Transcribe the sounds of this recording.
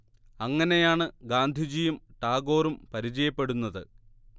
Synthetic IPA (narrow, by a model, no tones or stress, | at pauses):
ɐŋːɐne̞jaːɳɨɡaːnd̪ʱid͡ʑijɐmʈaːɡo̞ːɾumpɐɾid͡ʑɐjɐpːe̞ɽunːɐðɨ